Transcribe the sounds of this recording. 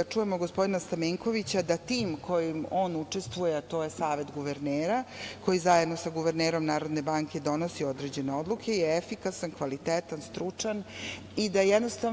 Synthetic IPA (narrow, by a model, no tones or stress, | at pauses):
at͡ʂuje̞moɡospo̞d̪inast̪amiŋko̞ʋit͡ɕad̪at̪iːmkʰo̞jimo̞ːnut͡ʂe̞st̪ʋujet̪o̞ːje̞saːʋe̞t̪ɡuʋeɾneːɾako̞jizajed̪no̞saɡuʋeɾneːɾo̞mnaːɾo̞d̪ne̞baŋke̞d̪o̞no̞sio̞d̪ɾed͡ʑe̞ne̞o̞d̪lˠukʰe̞jeefikasankʋalit̪eːt̪anst̪ɾut͡ʂan | id̪ajed̪nost̪a